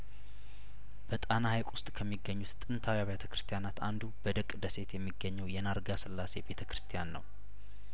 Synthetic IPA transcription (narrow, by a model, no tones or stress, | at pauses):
b̥ət̪ʼanahajkʼʊst̪ʼkʰəmːiɡːəɲːut̪ʼɨnt̪ʰawjaβet̪ʰəkɾɨst̪ʰijanat̪a̰nd̪ubəd̪əkʼd̪əse̞t̪jɛmːiɡːəɲːɛwjɛnaɾɡasɨlːase̞be̞t̪ʰəkɾɨ̥st̪ʰijanːə̰w